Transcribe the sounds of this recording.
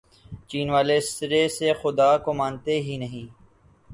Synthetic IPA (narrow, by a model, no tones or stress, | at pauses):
t͡ʃiːnʋaːleːsɪɾeːsexʊd̪aːkoːmãːnt̪eːɦiːnəɦĩː